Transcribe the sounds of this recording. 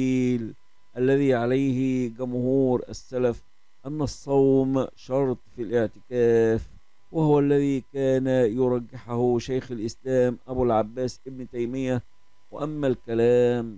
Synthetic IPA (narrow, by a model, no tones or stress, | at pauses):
iːl | ʔalːæðiːʕalajhɡʊmhuːɾʔa̰sːælæf | ʔamːæsˤːɑwmʃɑɾˤt̪ˤfilʔɪʕt̪ɪkæːf | wɪhʊwælːæðiːkæːnjʊɾˤɑɡːɪħahʊʃajxalʔɪslæːmʔabulʕabːæːsʔɪbnɪt̪ajmɪjːa | wɪ̰ʔamːælkælæːm